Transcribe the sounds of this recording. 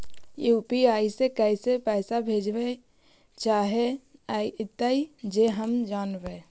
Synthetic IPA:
eʊpiaːisekɛisepɛːsabʱeːd͡ʒbe | t͡ʃaːɦeaiʔɪt̪əid͡ʒeɦəmd͡ʒaːnbe

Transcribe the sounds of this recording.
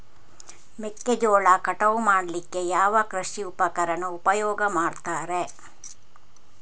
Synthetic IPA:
mekːed͡ʒoːɭakɐʈɐʋumaːɽlikːejaːʋɐkɾɐʃiupɐkɐɾɐnɐupɐjɔːɡɐmaːɖt̪aːɾe

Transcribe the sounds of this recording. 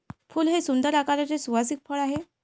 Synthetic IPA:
fuːlɦesund̪əɾakaɾat͡sesuʋasiːk̚fəɭaɦe

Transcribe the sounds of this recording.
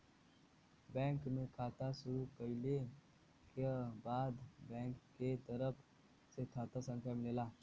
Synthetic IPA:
bɛ̃ːŋkmẽkʰaːt̪asʊɾukəɪle | kebaːd̪bɛ̃ːŋkːet̪əɾəpʰ | sekʰaːt̪asə̃ŋk̪ʰjamɪleːlaː

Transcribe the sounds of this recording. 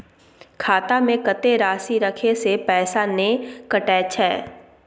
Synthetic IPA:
kʰaːt̪amẽkət̪eɾaːsiɾɐkʰesepɛːsanẽkəʈɛːt͡ʃɛː

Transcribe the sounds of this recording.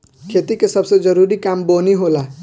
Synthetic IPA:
kʰet̪ikesəbsed͡ʒəɾuɾikamboniɦola

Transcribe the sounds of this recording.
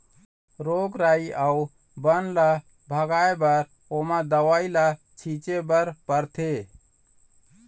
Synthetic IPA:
ɾoɡɾaiau | bənla | bʱəɡaebəɾ | omad̪əwaila | t͡ʃʰit͡ʃebəɾpəɾt̪ʰe

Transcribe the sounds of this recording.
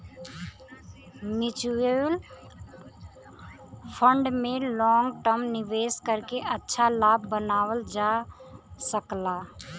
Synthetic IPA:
mɪt͡ʃel | pʰə̃ɳɖmẽlɔːŋɡʈəɾmnɪʋeːskəɾkeʔətːʃʰalaːbːənaːwəld͡ʒa | səklaː

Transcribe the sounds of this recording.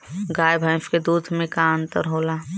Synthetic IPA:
ɡaːjbʱaɪfked̪uːd̪ʱmẽkaə̃nt̪əɾɦoːla

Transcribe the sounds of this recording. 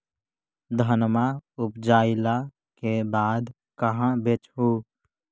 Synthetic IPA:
d̪ʱənmaʊpd͡ʒaːɪla | kebaːd̪ | kəɦãbet͡ʃɦuː

